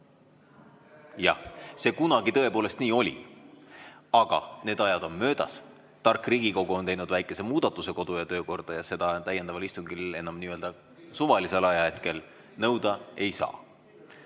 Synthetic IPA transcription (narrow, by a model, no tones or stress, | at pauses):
jɑ̰se̞ːkunɑɡ̥it̪ɤ̞e̞poːle̞st̪niːo̞lʲḭ | ɑɡ̥ɑ̰neːd̪ɑjɑd̪̥o̞nmø̞ːd̪̥ɑ̰s | t̪ɑrkːˑriːɡ̥iko̞ɡ̥uo̞nt̪e̞jnud̪væjkːˑe̞se̞muːd̪̥ɑt̪ːˑuse̞ko̞d̪̥ujɑt̪ø̞ːko̞rd̪̥ɑjɑse̞d̪̥ɑt̪æjːe̞nd̪ɑvɑlist̪uŋɡile̞nɑmniøld̪ɑ | suvɑliselɑjɑe̞t̪ke̞l | nɤwd̪ɑe̞jsɑ̰ː